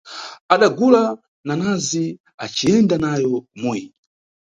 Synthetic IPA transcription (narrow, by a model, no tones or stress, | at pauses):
aɗaɡula | nanazi | at͡ʃijɛndanajɔmuji